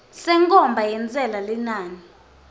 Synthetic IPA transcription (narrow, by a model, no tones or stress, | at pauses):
sɛŋkʼɔmbʱajɛnt͡sʼɛlalɛnaːni